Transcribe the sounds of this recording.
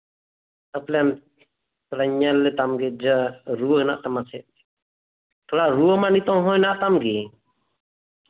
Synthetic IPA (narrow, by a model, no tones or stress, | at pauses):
t̪aplɛm | t̪ɔlaɲalːɛt̪amɡɛd͡ʒəɾuəna̰ʔt̪amasɛʔ | t̪ʰɔlaɾuəmanit̪ɔ̃ɦɔ̃naʔt̪amɡɛ